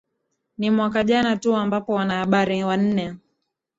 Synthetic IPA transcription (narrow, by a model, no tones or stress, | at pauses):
nimwakaʄanatuambapɔwanahaɓaɾiwan̩nɛ